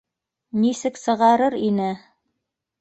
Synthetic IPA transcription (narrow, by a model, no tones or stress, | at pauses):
nisɘksɤ̆ʁɑɾɤɾinɘ